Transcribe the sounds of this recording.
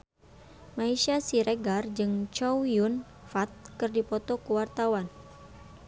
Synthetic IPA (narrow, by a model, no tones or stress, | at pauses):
maiʃasiɾeɡard͡ʒɨŋt͡ʃɔwjun | fat̪̚kɨrdipɔt̪ɔkəwart̪awan